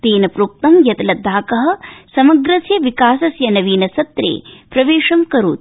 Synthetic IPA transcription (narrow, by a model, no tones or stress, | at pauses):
t̪eːnɐpɾuːk̚t̪ɐmjɐt̪lɐd̪ʱːaːkɐɦɐ̆sɐmɐɡɾɐsjɐʋikaːsɐsjɐnɐʋiːnɐsɐt̪ɾḛːpɾɐʋeːʂɐmkɐɾṵːt̪̚